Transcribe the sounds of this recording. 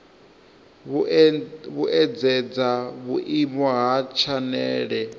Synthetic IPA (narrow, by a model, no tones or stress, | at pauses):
βuʔɛd͡zɛd͡zaβuʔimɔɦat͡ʃʰanɛːɺɛ